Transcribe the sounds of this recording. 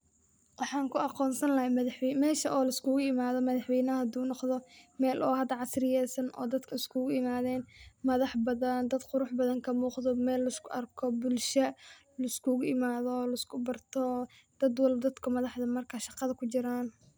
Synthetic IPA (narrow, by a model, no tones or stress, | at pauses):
wɑħɑːŋkʰʊɑqɔːnsɐnlɐɦɐjmɐðħwmɛːʃɐʔɔːlɐɪskʰʊɣʊɪmaːðɔmɐðɑħwɛjnɐɐhɐd̪uːnɔqðɔmɛːlʔɔːhɐd̪ːɐʕɑsrɪjɛːsɐnʔɔ̰ːd̪ɐd̪kʰɐɪskʰʊɣʊɪmaːðɛːnmɐðɑħbɐðɐnd̪ɐd̪qʊɾʊħbɐðɐŋkʰɐmuːqðɔmɛːlːɐɪskʰʊʔɐrkʰɔbʊlʃɐ | lɐɪskʰʊɣʊɪmaːðɔlɐskʰʊbɐrt̪ʰɔ | d̪̥ɐd̪wɑlbd̪ɐd̪kʰʊmɐðɑħðɐmɐrkʰaʃɑqɑðɐkʰʊt͡ʃɪɾaːn